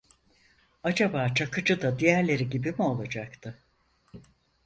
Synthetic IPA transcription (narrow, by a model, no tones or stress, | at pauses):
ad͡ʒabaːt͡ʃʰakɯd͡ʒɯd̪ad̪ijæɾlʲe̞ɾiɟibimio̞lˠad͡ʒakt̪ʰɯ